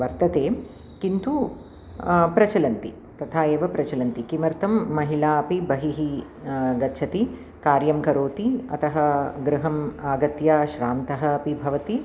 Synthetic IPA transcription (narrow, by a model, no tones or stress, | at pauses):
ʋɐɾt̪ɐt̪eː | kint̪u | pɾɐt͡ʃɐlɐnt̪ḭ | t̪ɐt̪ʰaːeːʋɐpɾɐt͡ʃɐlɐnt̪ikimɐɾt̪ʰɐmːɐɦilaːɐpibɐɦiɦi | ɡɐt͡ʃʰɐt̪i | kaːɾjɐmkɐɾoːt̪iɐt̪ɐɦɐ̆ɡɾɪɦɐmaːɡɐt̪jaːʃɾaːnt̪ɐɦɐːpibʱɐʋɐt̪i